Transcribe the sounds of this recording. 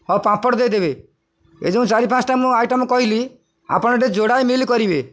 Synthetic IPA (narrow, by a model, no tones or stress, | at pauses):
ɔpãpɔɽd̪ejd̪eβe | ḛd͡ʒõũt͡ʃaɾipʰãsʈamũajʈamɔ̃kɔɦili | a̰pɔɽ̃ɔʈed͡ʒoɽajmilikɔɾibe